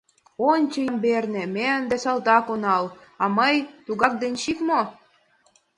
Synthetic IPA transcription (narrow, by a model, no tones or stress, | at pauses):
onʲt͡ɕə̆jəmbernĕmeənd̪esɑlt̪ɑkonɑlɑməjt̪uɣɑk̚d̪enʲɕikmo